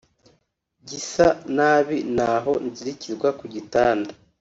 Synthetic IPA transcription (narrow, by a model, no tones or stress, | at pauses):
ɟisanaːβinaɦo̞nziɾiciɾɡwakuɟitaːnda